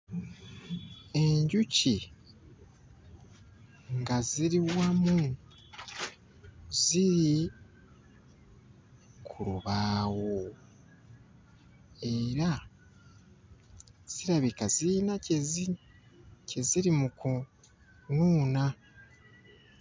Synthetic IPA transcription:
e̞ɲɟuci | ŋɡaziɾiwamu | ziɾi | kʰuɾuβaːwo | e̞ɾa | z̥iɾaβikazinacez | ce̞ziɾimuku | nuːna

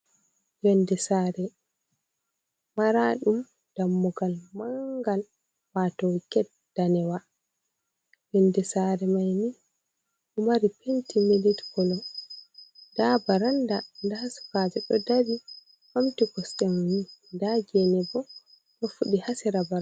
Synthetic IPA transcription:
jɔndɛsaɾɛ | maɾaɗum | d̥amːuɡalmaŋɡal | matɔwikɛt | d̥anɛwa | jɔndɛsaɾɛmajni | ʔumaɾipʰentimilitkɔlɔ | d̥abaɾandandahasi̥fad͡ʒɛɗɔdaɾi | hamtiɡɔsɗɛmnindad͡ʒɛnɛbɔ | ɗɔfuɗihasiɾabaɾa

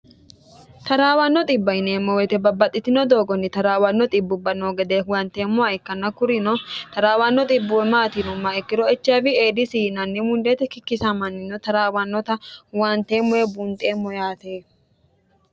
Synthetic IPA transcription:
t̪ɐɾaːwɐnːɔt̪ʼɪbːɐɪneːmːɔwɛt̪ɛbɐbːɐt̪ʼːɪt̪ɪnɔd̪o̞ːɡɔnːɪt̪ɐɾaːwɐnːɔt̪ʼɪbːʊbːɐnoːɡɛd̪ewɐnt̪eːmːʊɐɛkːɐnːɐkʊɾɪnɔt̪ɐɾaːwɐnːɔt̪ʼɪbːʊwɛmaːt̪inʊmːaɛkːɪɾɔɛt͡ʃːabɪeːd̪ɪsiːnɐnːɪmʊnd̪eːt̪ɛkɪkːɪsamɐnːɪnɔt̪ɐɾaːwɐnːɔt̪ɐwant̪eːmːɔwɛbʊnt̪ʼeːmːɔjaːt̪eː

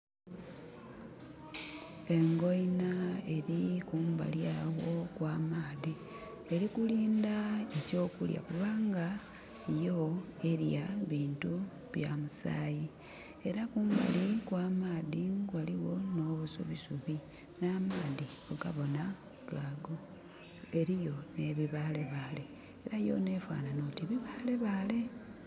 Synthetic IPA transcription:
e̞ŋɡo̞jinae̞ɾikuːmba̰ljawo̞kwaːmaːði | e̞ɾikuliːndaeco̞ːkulja̰kuβaːŋɡa | ijo̞e̞ɾjaβiːntu | βjamusa̰ːji | e̞ɾakumba̰likwaːmaːðiŋɡwaliwo̞no̞ːβuso̰βisuβi | naːmaːðioɡaβo̞na | ɡ̥aːɡo̞ | eɾijo̞ne̞βiβaːle̞βaːle̞ː | ɾajo̞̰ne̞ːfwa̰ːnanotiβiβaːle̞βaːle̞

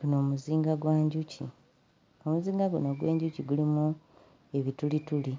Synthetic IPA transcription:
ɡ̥uno̞ːmuziːŋɡaɡwaːɲɟucḭ | omuziːŋɡaɡunoɡwe̞̰ːɲɟuciɡulimu | e̞βitulituli

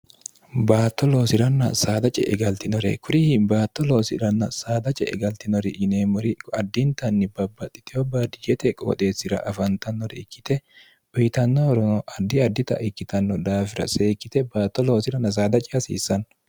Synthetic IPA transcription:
baːt̪ːɔlo̞ːsɪɾɐnːɐ̰saːd̪ɐt͡ʃʼɛ̰ʔɛɡɐlt̪ɪnɔɾɛ̰kʰʊɾɪhɪbaːt̪ːɔloːsɪɾɐnːɐ̰saːd̪ɐt͡ʃʼɛ̰ɛ̰ɡɐlt̪ɪnɔɾɪʔɪneːmɔɾɪɐd̪ːɪnt̪ɐnːɪbɐbːɐt̪ʼːɪ̥t̪ɛhɔbaːd̪ɪd͡ʒɛt̪ɛkʼo̰ːt̪ʼe̞ːsːɪɾɐ̰ʔɐfɐnt̪ɐnːɔɾɛ̰ɪkːɪ̥t̪ɛ | ʔʊjɪt̪ɐnːɔɔɾɔnɔʔɐd̪ːɪɐd̪ːɪt̪ɐ̰ʔɪkːɪt̪ɐnːɔd̪aːfɪɾɐ̰seːkːɪt̪ɛbaːt̪ːɔlo̞ːsɪɾɐnːɐs̬aːd̪ɐt͡ʃʼɛɐsḭːsːɐn

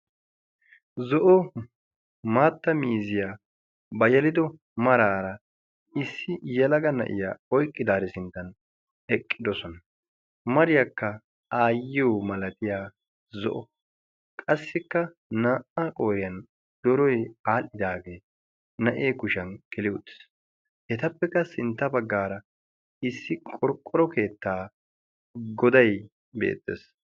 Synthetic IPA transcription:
zɔʔɔ | maːt̪ːɐmiːzɪjaː | bɐjɛlɪd̪ɔ | mɐɾaːɾɐ | ɪsːɪjɛlɐɡɐnɐ̰ʔɪ̰jaːɔjkʼːɪd̪aːɾɛsɪnt̪ːɐn | ɛkʼːɪd̪ɔsɔnɐ | mɐɾɪjɐkːɐ | aːjːɪjɔmɐlɐt̪ɪjaː | zɔ̰ʔɔ | kʼɐsːɪkːɐ | naːʔakʼoːjɐn | d̪̥ɔɾɔjaːlɪd̪aːɡe̞ː | nɐʔeːkʊʃɐnkɪlɪʊt̪ːɪ̥s | hɛt̪ɐpːɛkːɐsɪnt̪ːɐbɐɡːaːɾɐ | ɪsːɪkʼɔɾkʼːɔɾɔke̞ːt̪ːaː | ɡɔd̪ɐj | bḛːt̪ːḛːs

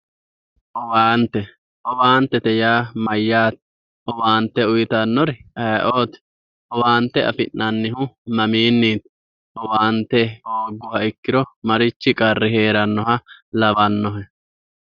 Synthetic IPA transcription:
ʔɔwaːnt̪ːɛ | ʔɔwaːnt̪ːɛt̪ɛjaːmɐjːaːt̪̚ | ʔɔwaːnt̪ːɛʊjɪt̪ɐnːɔɾɛɐjʔoːt̪ɛ̥ | ʔɔwaːnt̪ːɛʔɐ̰fɪ̰nnːɐnːɪhʊmɐmiːnːiːt̪ | ʔɔwaːnt̪ːɛoːɡʊhɐɪkːɪɾɔmɐɾɪt͡ʃːɪkʼɐrːɪɦe̞ːɾɐnːɔɦɐlɐbɐnːɔɦɛ

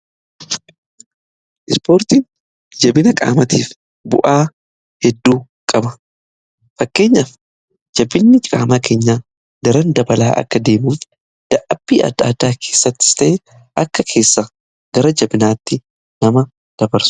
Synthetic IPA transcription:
ʔɪspo̞ːɾt̪iːn | d͡ʒɐbɪnɐkʼa̰ːmɐt̪iːf | bʊ̰ʔaː | hɛd̪ːuː | kʼɐbɐ | fɐkːe̞ːɲːɐf | d͡ʒɐbɪnːɪkʼaːmaːkʰe̞ːɲːaː | d̪ɐɾɐnd̪ɐbɐla̰ːʔɐ̰kːɐd̪e̞ːmuːf | d̪̥ɐʔɐbːiːɐ̰d̪a̰ːd̪aːkʰeːsːɐt̪ːɪ̥st̪ɐʔe | ʔɐkːɐkʰe̞ːsːa | ɡ̥ɐɾɐd͡ʒɐbɪnaːt̪ːɪ | nɐmɐ | d̪̥ɐbɐɾsʊ̥

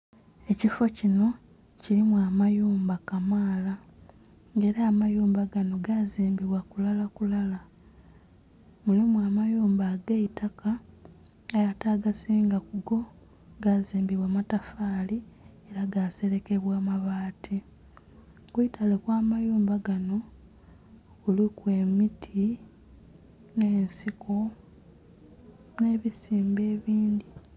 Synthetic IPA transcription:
e̞cifo̞cino̞ | cilimwamajuːmbakamaːla | ŋɡe̞ɾaːmajuːmbaɡano̞ɡaziːmbiβwakulalakulala | mulimuaːmajuːmbaɡeitʰakʰa | ajataɡasiːŋɡakuɡo̞ | ɡaziːmbiβwaːmatafaːlieɾaɡaːse̞ɾe̞ke̞βwaːmaβaːtʰi | kwuitalekwaːmajuːmbaɡano̞ | kulikwe̞mitʰi | neːnsikʰo̞ | ne̞ːβisiːmbe̞ːβiːnd̪i

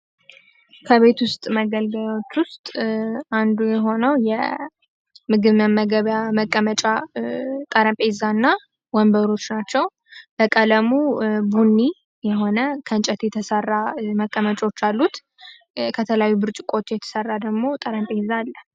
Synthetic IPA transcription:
kʰəβe̞t̪wʊst̪ʼməɡəlɡəlawo̞t͡ʃːwʊst̪ʼand̪ujɛɦo̞nəwjɛ̰ | mɨɡɨβməməɡəβjaməkʼːəmət͡ʃʼa | t̪ʼəɾəmpʼezanːa | wɔmbəɾo̞t͡ʃːnat͡ʃːɛw | b̥əkʼələmubunːi | jɛɦo̞nəkʰənt͡ʃʼət̪jɛt̪ʰəsərːaməkʼːəmət͡ʃʼo̞t͡ʃːalːut̪ | kʰət̪ʰəljajːubɨɾt͡ʃʼɪkʼo̞t̪ʰːjɛt̪ʰə̥sərːad̪əɡmo̞t̪ʼəɾəmpʼezalːə

